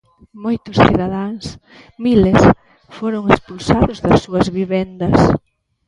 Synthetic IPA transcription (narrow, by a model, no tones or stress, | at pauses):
mojt̪ʊsθiðaðaŋs | miles | foɾʊŋespulsaðʊzðɐsːuɐzβiβɛnd̪ɐs